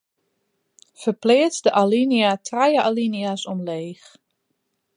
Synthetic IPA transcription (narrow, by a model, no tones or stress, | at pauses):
fəplɪət͡sdəʔaliniatʰrajəʔaliniasɔmleːx